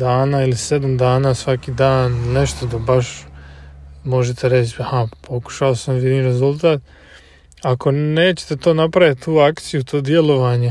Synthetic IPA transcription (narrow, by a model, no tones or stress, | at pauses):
d̪aːnaːilised̪amd̪aːnaːsʋakiːd̪aːnːeʃt̪od̪abaʃ | mo̞ʒet̪ʰe̞ɾet͡ɕhapʰo̞ku̥ʃaosamʋjid̪iɾe̞zulˠt̪aːt̪ | akʰo̞neːt͡ɕe̥t̪et̪o̞ːnapɾajat̪t̪uːakt̪sijut̪ʰo̞ːd̪je̞lo̞ʋaːɲe